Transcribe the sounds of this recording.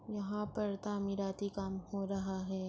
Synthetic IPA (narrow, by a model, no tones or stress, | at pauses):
jɐɦãpɐɾt̪aːmiɾaːt̪ikaːmhoːɾɐɦaɦɛː